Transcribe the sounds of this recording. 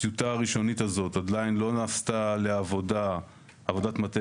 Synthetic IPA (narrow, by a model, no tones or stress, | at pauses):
iutaʁiʃo̞nitazo̞todlajnlo̞naːstaleavo̞da | avo̞datmate